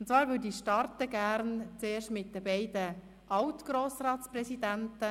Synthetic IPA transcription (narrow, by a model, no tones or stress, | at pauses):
ʊntt͡svɑːɾʋʏdiʃtɑɾtəɡæɾnt͡seːʃtmɪt̚dəbɛɪdə | ʔɑwtɡ̥ɾoːsɾɑːtt͡sprɛsid̪æntə